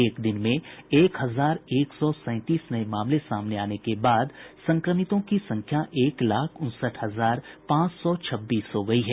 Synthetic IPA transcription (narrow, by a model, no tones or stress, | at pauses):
eːkd̪ɪnmẽeːkɦɐzaːɾeːksɔsɛ̃ːt̪iːsnɐemaːmlesaːmneaːnekebaːd̪sɐ̃ŋkɾəmɪt̪õkisɐ̃ŋkʰjaʔeːklaːkʰʊ̃nsəʈɦɐzaːɾpãːt͡ʃsɔt͡ʃʰɐbːiːsɦoɡɐiɦɛː